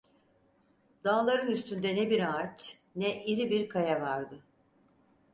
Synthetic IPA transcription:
d̪̥aːlˠaɾɯnyst̪ʰynd̪ɛnɛbiɾaat͡ʃ | nɛʔiɾibiɾkʰajavaɾd̪ɯ

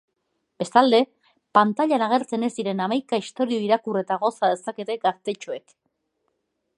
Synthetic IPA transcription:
b̥e̞st̪ald̪e̞ | pant̪aʎanaɣ̞e̞ɾt͡se̞ne̞zd̪iɾe̞namajkaist̪o̞ɾio̞iɾakure̞t̪aɣ̞o̞saðe̞sake̞t̪e̞ɡast̪e̞t͡ʃoe̞k

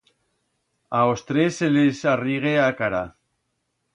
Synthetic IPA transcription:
aost̪ɾeselesariɣ̞eakaɾa

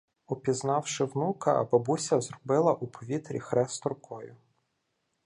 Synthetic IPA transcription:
ɔpʲiznɑwʃɪwnukɐ̰ːbɐbusʲɐzrɔbɪlˠɐʔupʰɔʋʲit̪ɾʲḭxɾɛst̪ɔrkɔjʊ

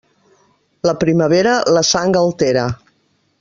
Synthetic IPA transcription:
ləpɾiməβ̞eɾələsaŋɡəlˠt̪eɾə

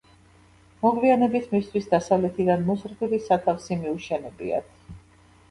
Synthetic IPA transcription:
mɔʁvianɛbisʰmist̪ʰwisd̪asavlɛt̪ʰid̪anmɔsɾbilisat̪ʰafsimiuʃɛnɛbḭa̰t̪ʰ

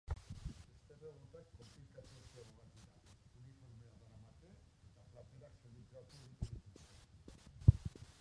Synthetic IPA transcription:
est̪eβeɣut̪akːo̞mplikasiosiaβoɣat̪iɾaunifoɾmeaðaɾamat̪e | et̪aplat̪eɾaksend̪it͡s̪eβat̪uit̪uɣit̪ust̪e

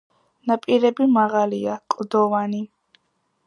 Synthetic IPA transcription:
napʼiɾɛbimaʁaliakʼd̪ɔvani

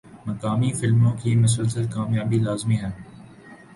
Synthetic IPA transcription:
mɐkaːmifɪlmõkʰiːmʊs̬əlsəlkaːmjaːbilaːzmiɦən̆

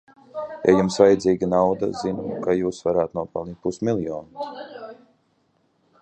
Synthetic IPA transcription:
ja̰jumsvajɛd̪ziːɡʲinawd̪a̰zinukajuːsvaɾaːt̪nuɔpalˠnit̪̚pusmilˠjɔːnus

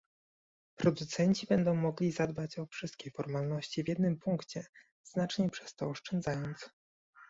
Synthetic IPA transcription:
pɾɔd̪ut̪sɛɲt͡ɕibɛnd̪ɔ̃w̃mɔɡlʲizad̪bat͡ɕɔfʂɘst̪kʲejfɔɾmalnɔɕt͡ɕivʲjɛd̪nɘmpuŋkt͡ɕɛ | z̥nat͡ʂɲɛpʂɛ̥st̪ɔːʂt͡ʂɛnd̪zajɔnt̪s

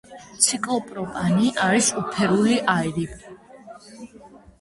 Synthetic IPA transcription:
t̪sʰikʼlˠɔpʼɾɔpʼaniʔaɾisupʰɛɾuliʔaɛɾi

